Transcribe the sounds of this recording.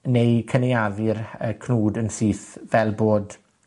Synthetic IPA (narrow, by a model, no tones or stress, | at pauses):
nejkʰənejaðɪrəkʰnuːdənsiːθvɛlˠboːd